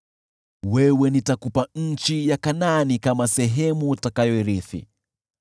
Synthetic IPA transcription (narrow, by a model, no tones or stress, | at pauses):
wɛwɛnitakupaɲ̩t͡ʃijakananikamasɛɦɛmutakajɔiɾiθḭ